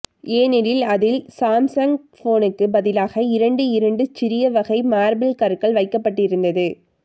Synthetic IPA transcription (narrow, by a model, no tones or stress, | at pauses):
eːnɪɾɪlɐðɪlsaːmsɐŋ | foːnɯkːɯbɐðɪlaːɣɐɪɾɐɳɖɯɪɾɐɳɖɯt͡ʃɪɾɪjɐʋɐɣɐɪmaːɾbɪlkɐɾkɐɭʋɐɪkːɐpːɐʈːɪɾɯnd̪ɐðɯ